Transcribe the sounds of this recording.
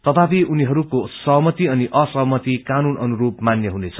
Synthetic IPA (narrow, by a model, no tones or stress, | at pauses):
t̪ʌt̪ʰapiʔuniɦʌɾukosʌɦmʌt̪iʌniʔʌsʌɦmʌt̪ikanunʌnuɾupmanjʌɦunet͡sʰʌ